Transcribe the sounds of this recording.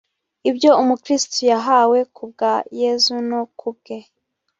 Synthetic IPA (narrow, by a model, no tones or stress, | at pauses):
ibjo̞umukɾistujaɦawe̞kub̚ɡaje̞ːzunokʰub̚ɡe̞